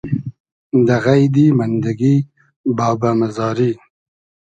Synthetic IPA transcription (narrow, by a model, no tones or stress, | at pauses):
d̪aɣajd̪imand̪aɡi | bɑːbamazɑːɾi